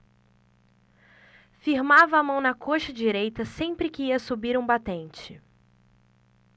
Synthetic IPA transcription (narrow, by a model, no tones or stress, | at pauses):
fiɾmavɐːmɐ̃w̃nɐkʰoʃɐd͡ʒiɾejt̪ɐsẽpɾɪkɪiɐsubiɾũbat̪ẽnt͡ʃɪ